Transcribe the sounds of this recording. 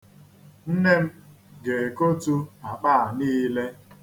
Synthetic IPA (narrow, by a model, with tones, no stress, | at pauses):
n̩˦ne˦m̩˦ | ɡe˨e˨ko˦tu˦a˨k͡paː˦a˨niː˦le˦